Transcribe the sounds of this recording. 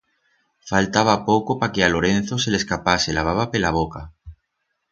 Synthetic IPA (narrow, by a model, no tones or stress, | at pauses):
falt̪aβ̞apokopakealo̞ɾen̟θose̞leskapaselaβ̞aβ̞apelaβ̞oka